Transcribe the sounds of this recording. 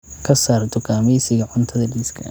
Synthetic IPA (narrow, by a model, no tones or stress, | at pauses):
kʰɐsaːrt̪ʰɔkʰaːmɛjsɪɣɐʕʊnt̪ʰɐðɐɖiskʰɐ